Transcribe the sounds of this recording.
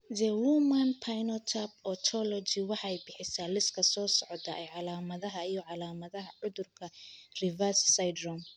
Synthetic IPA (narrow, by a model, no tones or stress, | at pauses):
zɛwumɐnpʰajnɔt̪ʰab̚ɔːt͡ʃʰɔlɔt͡ʃɪwɑħɑɛjbɪħɪsaːlɪskʰɐsɔːsɔʕɔd̪ɐʔɛjʕɑlaːmɐðɐɦɐijɔʕɑlaːmɐðɐɦɐʕʊðʊrkʰɐrɪvɐssajd̪rɔm